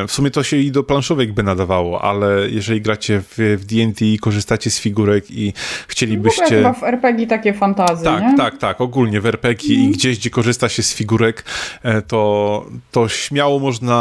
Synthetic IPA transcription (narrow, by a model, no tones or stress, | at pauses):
fsumʲjɛt̪ɔɕɛid̪ɔplanʂɔvɛɡbɘnad̪avawɔʔa̰lɛjʔɛʐɛlʲiɡɾat͡ɕɛvvd̪ʲiɛnt̪ʲiːkɔʐɨst̪at͡ɕɛsfʲiɡuɾɛkixt͡ɕelʲibɘɕt͡ɕɛavɛɾpɛɡʲit̪akʲɛfant̪azt̪akɲɛt̪akt̪akɔɡulɲɛvɛɾpɛɡʲiːɡd͡ʑɛʑd͡ʑɛkɔʐɘst̪at͡ɕɛsfʲiɡuɾɛkt̪ɔt̪ɔɕmʲjawɔmɔʐna